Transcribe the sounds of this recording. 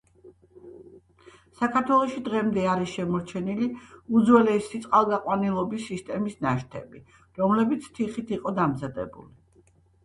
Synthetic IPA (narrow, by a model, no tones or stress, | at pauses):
sakʰaɾt̪ʰwɛlˠɔʃid̪ʁɛmd̪ɛaɾisʃɛmɔɾt͡ʃʰɛniliud̪zwɛlɛsit̪sʼqʼalˠɡaqʼwanilˠɔbisːist̪ʼɛmisnaʃt̪ʰɛ̰bi | ɾɔmlɛbit̪sʰt̪ʰiχit̪ʰiqʼɔd̪amzad̪ɛ̰bṵli